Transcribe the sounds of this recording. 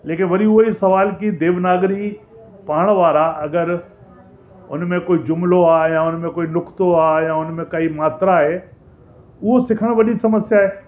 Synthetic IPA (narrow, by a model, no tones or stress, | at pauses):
leːkɪnʋɐɾiʊɦoisɐʋaːlkid̪eːʋnaːɡɾi | paːɽ̃ʋaːɾaɐɡəɾ | ʊ̰nmẽkoːid͡ʑʊmloaːjãʊnmẽkoːinʊkt̪oaːjãʊnmẽkɐimaːt̪ɾaɦeː | ʊɦosɪkʰəɽ̃ʋɐɗisɐməsjaːɦeː